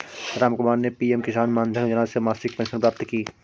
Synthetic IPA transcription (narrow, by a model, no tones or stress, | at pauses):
ɾaːmkʊmaːɾnepiːɛmkisaːnmãːnd̪ʱənd͡ʒɐnasemaːsɪk̚pɛ̃ːnʃənpɾaːp̚t̪kiː